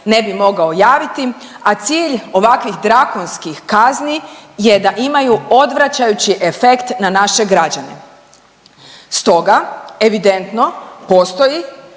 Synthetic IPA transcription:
ne̞bimo̞ɡao̞jaːʋit̪iat̪siːʎo̞ʋakʋixd̪ɾakonskixkaznije̞d̪aʔimajuo̞d̪ʋɾat͡ɕajut͡ɕiʔefe̞kt̪nanaʃe̞ɡɾad͡ʑane̞̰ | st̪o̞ɡae̞ʋid̪e̞nt̪no̞po̞st̪o̞ji

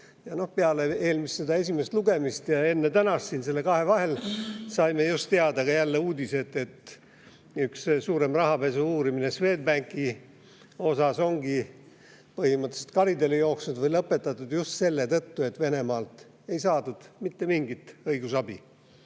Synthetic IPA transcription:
jɑno̞hpeɑlee̞ːlmisːed̪ɑe̞sʲime̞st̪luɡe̞mist̪jɑe̞nːe̞t̪ænɑst̪sinse̞lːe̞kɑɦe̞vɑɦe̞lsɑjme̞just̪ːeɑd̪ɑkɑjælːe̞uːd̪ʲise̞t̪ːe̞t̪ | ykssuːɾe̞mrɑɦɑpe̞suuːɾiminesve̞ːd̪̚bæŋkːˑi | o̞sɑso̞ŋɡi | pɤhimɤt̪ːˑese̥t̪kɑɾid̪e̞lejo̞ːksnud̪vɤjlɤpːˑe̞t̪ːˑɑt̪ːˑud̪̥just̪se̞lːe̞t̪ɤt̪ːue̞t̪ve̞ne̞mɑːlt̪ | e̞jsɑːd̪ud̪̥mit̪ːe̞miŋɡit̪ɤiɡ̥usɑbi

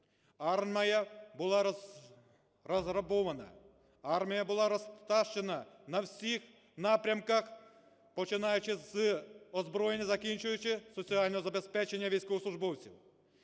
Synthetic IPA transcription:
ɑrmɐjɐbʊlˠɑ | rɔzrɐbɔʋɐnɐ̰ | ɑrmʲijɐbʊlˠɑɾɔst̪ɑʃt͡ʃe̞nɐnɐwsʲix | nɑpɾʲɐmkɐx | pɔt͡ʃɪnɑjʊt͡ʃɪzɔzbɾɔjenʲːɐzɐkʲinʲt͡ʃʊjʊt͡ʃɪsɔt͡sʲialʲnɔɦɔzɐbespɛt͡ʃenʲːɐʋʲijsʲkɔʋsˠʊʒbɔwt͡sʲiw

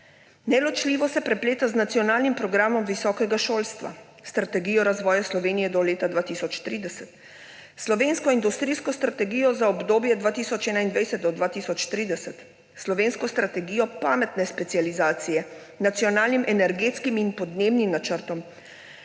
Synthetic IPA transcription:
nɛlɔt͡ʃliːʋɔsɛpɾɛpleːt̪aznat̪sijɔnaːlnimpɾɔɡɾaːmɔmʋisɔːkɛɡaʃoːlst̪ʋa̰ | st̪ɾat̪ɛɡiːjɔɾazʋɔːjaslɔʋeːnijɛd̪ɔleːt̪ad̪ʋaːt̪isɔt͡ʃt̪ɾiːd̪ɛsɛt̪ | slɔʋeːnskɔind̪ust̪ɾijskɔst̪ɾat̪ɛɡiːjɔzaɔbd̪oːbjɛd̪ʋaːt̪iːsɔt͡ʃɛːnaind̪ʋɛjsɛt̪̚d̪ɔd̪ʋaːt̪iːsɔt͡ʃt̪ɾiːd̪ɛsɛt̪ | slɔʋeːnskɔst̪ɾat̪ɛɡiːjɔpaːmɛt̪nɛspɛt̪sializaːt̪sijɛ | nat̪siɔnaːlnimʔɛnɛɾɡeːt̪skiminpɔd̪nebnimnat͡ʃəɾt̪ɔm

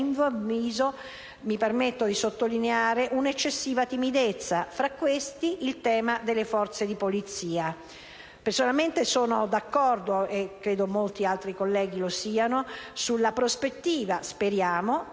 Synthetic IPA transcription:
nvoiːzo | mipermet̪ːod̪isot̪ːolineaːɾeʔunet͡ʃːesːiːvat̪imid̪et̪sːafɾakːwest̪iʔilt̪ɛːmad̪elːefɔrt̪sed̪ipolit̪siːa | personalment̪esoːnod̪akːɔrd̪oekːɾeːd̪omolt̪ialt̪ɾikolːɛːɡilosiːanosulːapɾospet̪ːiːvaspeɾjaːmo

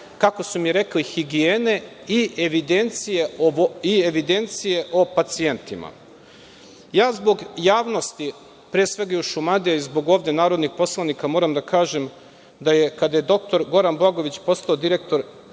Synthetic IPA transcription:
kako̞sumijɾe̞klixiɡieːne̞ | iʔeʋid̪e̞nt̪sije̞oieʋid̪e̞nt̪sije̞ʔo̞pat̪sie̞nt̪ima̰ | jaːzbo̞ɡjaːʋno̞st̪i | pɾiesʋe̞ɡajuʃumad̪ijaizbo̞ɡoːʋd̪e̞naːɾo̞d̪nixpo̞slˠanikamo̞ːɾamd̪akaːʒe̞m | d̪aje̞kad̪ajed̪o̞k̚t̪o̞ɾɡo̞ɾanbaɡo̞ʋit͡ɕpo̞st̪aod̪iɾe̞kt̪o̞ɾ

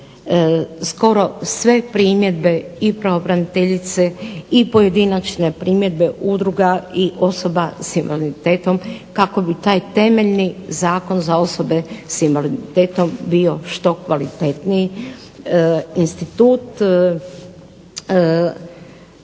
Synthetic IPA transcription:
sko̞ɾo̞sʋe̞pɾiːmje̞d̪̚be̞ipɾeopɾanit̪eʎit̪seipo̞je̞d̪inat͡ʃne̞pɾiːmje̞d̪be̞ʔud̪ɾuɡaiʔo̞so̞basimʋoliit̪eːt̪o̞mkako̞bit̪aːjt̪e̞meʎnizaːko̞nzao̞so̞be̞simolid̪it̪eːt̪o̞mbio̞ʃt̪o̞kʋalit̪et̪niji | inst̪it̪uːt̪

